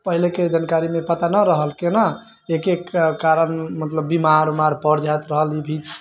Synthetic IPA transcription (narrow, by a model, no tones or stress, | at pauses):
pəɦileked͡ʒankaɾimepət̪anəɾəɦəlkena | ekekaɾənmət̪ləbːimaɾmaɾpəɾd͡ʒʱat̪ɾəɦəlibʱid͡ʒ